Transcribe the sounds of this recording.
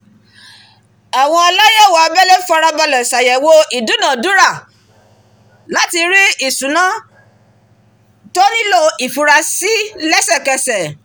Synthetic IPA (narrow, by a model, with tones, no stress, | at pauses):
a˨w̃ɔ̃˧ɔ˧la˦jɔ˦˨wa˨ɔ˧bɛ˦le˦fɔ˧ɾa˧ba˧lɔ˨sa˨jɛ˨wo˧ʔi˨du˨˦nã˦˨du˨˦ɾa˦˨ | la˨˦ti˧ɾi˦i˦˨sũ˨˦nã˦ | to˦nĩ˦lo˧i˨fu˨ɾa˧si˦lɛ˦sɛ˦˨kɛ˧sɛ˨